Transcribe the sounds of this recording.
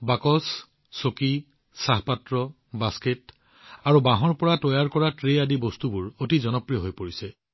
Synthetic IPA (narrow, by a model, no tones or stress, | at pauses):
bakɔs | soki | saɦpatɹɔ | basket | aɹubãɦɔɹpɔɹatɔjaɹkɔɹatɹeadibɔstubʊɹotizɔnɔpɹijɔɦojpoɹisɛ